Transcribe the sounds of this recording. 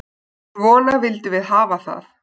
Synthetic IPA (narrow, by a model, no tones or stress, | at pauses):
vɔːnavɪlt̪ɪvɪðɦaːvaθa̰θ